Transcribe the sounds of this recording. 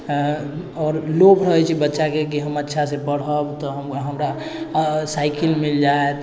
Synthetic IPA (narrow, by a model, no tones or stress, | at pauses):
ɔːɾloːbɾəɦɛt͡ʃʰibətːʃakek̬iɦəmətːʃʰasepəɽ̤ɦəbt̪ɔɦəmɦəmɾa | saːɪkɪlmɪld͡ʒaːet̪